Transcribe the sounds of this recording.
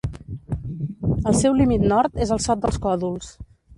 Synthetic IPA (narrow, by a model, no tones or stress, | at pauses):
əlˠsɛwlimit̪nɔɾt̪ezəlˠsɔt̪̚d̪əlˠskɔðulˠs